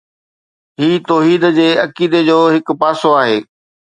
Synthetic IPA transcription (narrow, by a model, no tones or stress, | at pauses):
ɦiːt̪oːɦiːd̪d͡ʑeːɐkiːd̪ed͡ʑoːɦɪk̆paːsoaːɦeː